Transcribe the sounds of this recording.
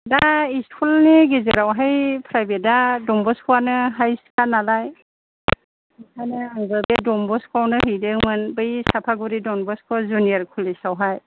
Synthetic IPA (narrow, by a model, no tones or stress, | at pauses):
daiskʰulniɡezeɾawɦajpʰɾajbedadɔmbɔskʰuwanɯɦajskanalaj | kʰanɯaŋɡɯbedɔmbɔskʰawnɯɦɯjdɯmɯnbɯjsapʰaɡuɾidɔnbɔskʰazunijaɾkʰulisawɦaj